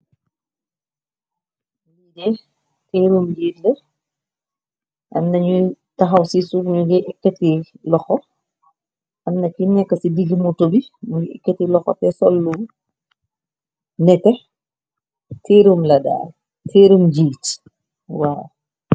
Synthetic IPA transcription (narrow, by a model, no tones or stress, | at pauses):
jidɛ | teːɾumd͡ʒiːtdɛ | ʔɐ̰mnɐɲu | tɐxɐwsisuɲuɡɛʔɛkːɐtilɔxɔ | ʔɐmnɐkinɛkːɐsidiɡimutubimuɡiɛkːɐtilɔxɔ̰tɛsɔlːu | nɛtɛ | tʰeɾumlɐda̰ː | tʰeɾumd͡ʒiːt | waːj